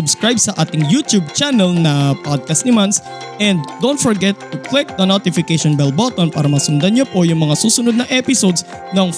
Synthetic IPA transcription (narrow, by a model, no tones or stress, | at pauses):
ʊbskɾajb̚sɐʔaːt̪ɪŋjut̪jub̚t͡ʃanɛlnɐpod̪̚kɐst̪nɪmans | ʔɛnd̪d̪ownt̪̚fɔɹɡɛt̪ːʊklɪk̚d̪ɐnot̪ɪfɪkɛʃɔnbɛlbɔt̪onpaːɾɐmɐsʊnd̪ɐnɲopojʊŋmɐŋasuːsʊnʊd̪̚nɐʔɛpɪsod̪s | nɐŋ